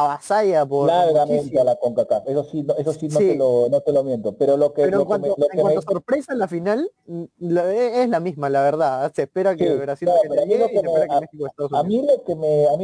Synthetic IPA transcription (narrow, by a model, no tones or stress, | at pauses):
aβasajapoɾlaɾɣamẽsnt̪ealakoŋkakapesosinoesosinnoilonot̪elomjent̪opeɾolokeeɾoeŋkwant̪oloeŋwat̪osoɾpɾe̞salafinalloeezlamizmalaβeɾðasespeɾakesiβeɾasileɾoamieloiseespeeɾakemexikoest̪aðos̬uamilokemeami